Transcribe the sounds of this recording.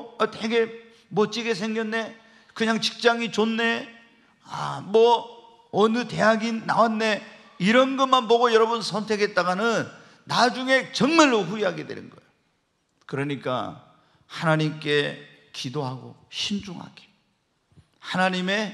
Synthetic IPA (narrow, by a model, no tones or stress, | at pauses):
ʌt͈ʰeɡe̞ | mʌt͡ɕ͈iɡesʰe̞ŋɡjʌnːe̞ | kɯɲaŋt͡ɕi̥k̚t͡ɕ͈aŋit͡ɕonːe̞ | a̰mwʌː | nɯte̞jaɡina̰wanːe̞ | iɾʌnɡʌmanpoɡojʌɾʌbunsʰʌntʰeɡet̚t͈aɡanɯnː | ad͡ʑuŋe̞t͡ɕʌŋmaɭːoɸuiɦaɡe̞dwe̞̰nɯ̰nɡʌejo | kɯɾʌɲik͈a̰ | hanaɲimk͈e̞ | kidoɦaɡo̰ɕʰind͡ʑuŋɦa̰ɡe̥ | hanaɲime̞